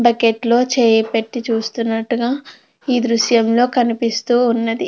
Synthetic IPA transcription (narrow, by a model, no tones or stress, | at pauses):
bɐkeʈlo̞ːt͡ʃeːjɐpeʈːit͡ʃuːst̪unːɐʈːuɡaː | iːd̪ɾuʃjɐmlo̞ːkɐnipist̪uːunːɐd̪i